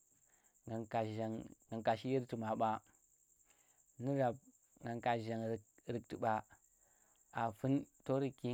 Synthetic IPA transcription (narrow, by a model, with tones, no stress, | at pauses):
a˨a˨a˨ŋɡa˨ŋka˨ʃi˦ji˦ɾti˨ma˨ɓa˦ | ni˦ɾa˨b̚ | ŋɡa˨ŋka˨ʒa˨ŋ˨ɾi˨k̚ti˨ɓa˨ | a˨fu˦nto˦ɾi˨ki˦